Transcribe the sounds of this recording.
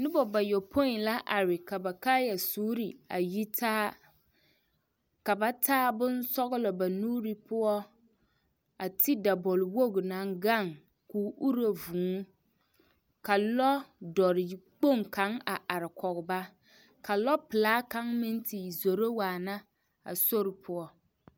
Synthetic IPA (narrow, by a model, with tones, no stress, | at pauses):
nɪ˦bɔ˨ba˨jo˨pʰo˦˨la˦ʔa˨ɾɪ˨ka˨ba˨kaː˦ja˨suː˦ɾi˨a˨ji˦tʰaː˦ | ka˨ba˦tʰaː˦bʊ˦nsɔ˦ɣɪ˦lɔ˨ba˨nuː˦ɾi˦pʊ˦ɔ˦ | a˨tʰi˦da˨bɔ˨lwo˦ɡna˨˦ŋɡa˦˨ŋ | kuː˨˦ʔu˦ɾo˨vuː˨ŋ˦ | ka˨lɔ˦dɔ˨ɾɪ˨k͡po˦˨ŋka˨˦ŋa˨ʔa˨ɾɪ˨kɔ˨ɣʊ˨ba˦ | ka˨lɔ˦pɪ˨laː˦ka˦ŋmɪ˦nti˨zo˨ɾo˦waː˨na˦ | a̰˨so˦ɾɪ˨pʰʊ˦ɔ˦